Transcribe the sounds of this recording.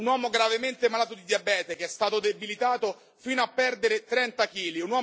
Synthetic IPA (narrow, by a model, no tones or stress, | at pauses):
unwɔːmoɡɾavement̪emalaːt̪od̪id̪jiabɛːt̪ekeɛst̪aːt̪od̪ebilit̪aːt̪o | fiːnoapːɛrd̪eɾet̪ɾɛnt̪akiːliunwɔː